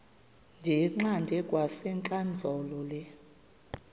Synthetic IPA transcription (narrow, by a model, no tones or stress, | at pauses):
nd͡ʒʱɛŋ͡ǃandʱɛkʼwasɛŋǃʼand͡ɮʱɔlɔlɛ